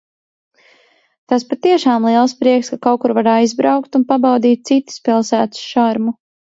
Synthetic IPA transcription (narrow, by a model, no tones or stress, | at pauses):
t̪aspat̪iɛʃaːmlˠiɛlˠspɾiɛkskakawkuɾvaɾajzbɾawkt̪unpabawd̪iːt̪̚t̪sit̪i̥spilˠsæːt̪ʊ̥sʃaɾmu